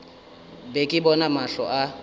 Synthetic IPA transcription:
bekʼɪbɔnamaɬɔʔa

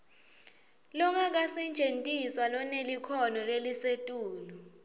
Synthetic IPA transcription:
lɔk̬ʰak̬asint͡ʃentʼiswalɔnelikʰɔnɔlelisetʼuːlu

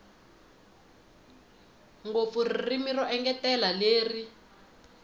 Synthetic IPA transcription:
ŋɡop̪furiirimirɔʔɛŋɡɛtɛlaleːri

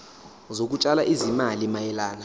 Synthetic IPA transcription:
zok̬ʼut͡ʃʼalaʔizimalimajɛlaːna

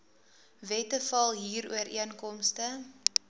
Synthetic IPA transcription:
vɛtəfɐlˠɦiːɾuəɾiənkɔmstə

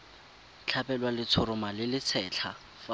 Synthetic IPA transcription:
t͡ɬʰapɛlwalɪt͡sʰʊɾʊmalɪlɪt͡sʰɛːt͡ɬʰa | fa

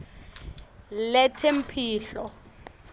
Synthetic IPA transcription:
lɛtʰem̩pʰiːɬɔ

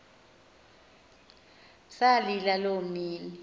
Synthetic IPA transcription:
salilalomiːni

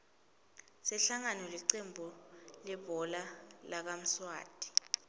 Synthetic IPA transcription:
sɛɬaŋanɔliǀembʱulɛbɔlalak̬am̩swa̰ːd̥ʱi̥

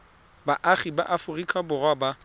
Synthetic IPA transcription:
baʔaχiba̰ʔafʊrikʰʼabʊrɔba

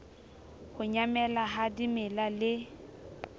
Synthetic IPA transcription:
hʊɲamɛlaɦadimɪlalɪ

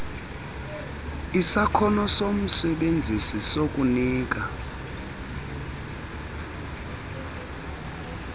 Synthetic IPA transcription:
isakʰɔnɔsom̩sɛɓend͡zʱisisok̬ʼuniːk̬ʼa

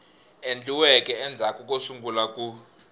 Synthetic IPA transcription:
end͡ɮiwɛkʼɛɛnd͡zʱakʼukʼosuŋɡʱulakʼu

